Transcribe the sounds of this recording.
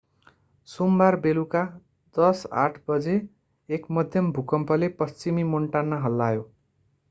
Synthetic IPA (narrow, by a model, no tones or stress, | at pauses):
sumbarbeluka | d̪ʌsa̰ʈʰbʌd͡zeː | kmʌd̪ʱjʌmbʱukʌmpʌlepʌst͡simimoɳʈanːaɦʌlːajo